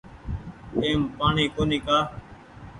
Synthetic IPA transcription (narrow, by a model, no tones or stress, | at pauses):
eːmpaːɳiːkoːniːkaː